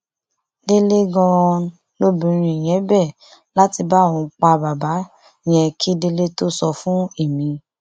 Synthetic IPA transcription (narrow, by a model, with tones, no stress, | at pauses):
de˧le˦ɡɔ̃˧ɾ̃ɔ̃˧ | lo˦bĩ˧˦ɾ̃ĩ˧˨j̃ɛ̃˨˦bɛ˦˨ | la˦ti˧ba˦˨ɔ̃˨˧k͡pa˧ba˨ba˨˦˨ | j̃ɛ̃˧kʰi˦de˧le˦to˦sɔ˧fũ˦e˦˨mĩ˨˧